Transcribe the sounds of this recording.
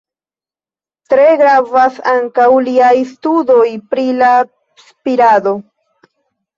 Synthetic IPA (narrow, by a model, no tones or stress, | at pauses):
t̪ɾeɡɾavasaŋkawliajst̪ud̪ojpɾila | spiɾad̪o